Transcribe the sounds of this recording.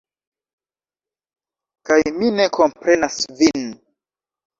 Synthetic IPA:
kajmine̞ko̞mpɾe̞nasvin

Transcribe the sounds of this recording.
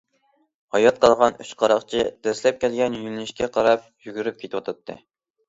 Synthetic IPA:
hɑjɑt̪̚qɑlˠʁɑnyt͡ʃqʰɑɾɑχt͡ʃʰɪd̪̥ɛslɛp̚kʲʰælɡʲɛnjymlyʃkʲɛqʰɑɾɑp̚jyɡʲyɾyp̚kʲet̪wɑt̪ʰɨt̪ːɨ̰

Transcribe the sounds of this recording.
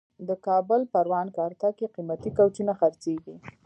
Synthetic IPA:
d̪əkɑbʊlpaɾwɑnkɑɾt̪akeqimat̪ikawt͡ʃunaxaɾt͡seɡi

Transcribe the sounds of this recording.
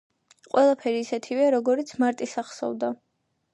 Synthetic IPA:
qʼwɛlˠapʰɛɾiːsɛt̪ʰivɛaɾɔɡɔɾit̪sʰmaɾt̪ʼisaχsɔ̰vd̪a

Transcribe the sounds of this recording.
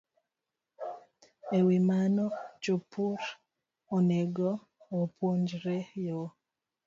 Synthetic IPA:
ewimanɔt͡ʃopuɾ | oneɡɔ | opoɲd͡ʒɾejo

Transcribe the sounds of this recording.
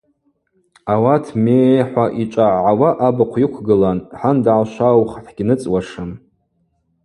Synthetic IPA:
awatʰmeħʷaʔit͡ʃʷʼaʕʕawaʔabaqʷʰjikʷʰɡɨlanħandʕaʃʷawχħɡʲnɨt͡sʼwaʂɨn

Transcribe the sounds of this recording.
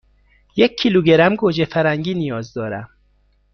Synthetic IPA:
jekʰːiluɡeɾæmɡoːd͡ʒefæɾæŋɡiːnijɒːzd̪ɒːɾæm

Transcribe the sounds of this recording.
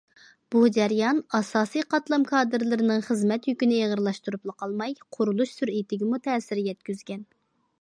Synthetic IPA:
b̥ud͡ʒɛɾjɑnɑsɑːsijqʰɑt̪lˠɑmkʰɑːd̪ɨɾlɨɾɪnɨŋχəzmɛt̪jykʲynɪeʁəɾlˠɑʃt̪uɾuplˠəqʰɑlˠmɑjqʰʊɾulˠuʃsyɾit̪ʰɪɡʲɪmut̪ʰɛːsɪɾjɛt̪kʲyzɡʲɛn

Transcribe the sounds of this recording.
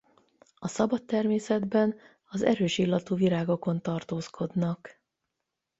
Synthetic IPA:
ɒsɒbɒt̪ːɛrmeːsɛd̪bɛn | ɒzɛ̰ɾøːʃilːɒt̪uːviɾaːɡo̞ko̞nt̪ɒrt̪oːskʰo̞d̪nɒk

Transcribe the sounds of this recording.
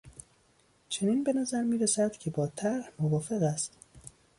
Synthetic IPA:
t͡ʃʰe̞niːnbe̞næzæɾmiːɾesæd̪̥cʰe̞bɒːt̪ʰæɾhmovɒːfe̞ɣæst̪

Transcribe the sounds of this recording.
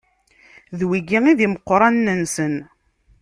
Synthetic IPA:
ðwiɡiŋiðiməqːɾˤɑnːənsən

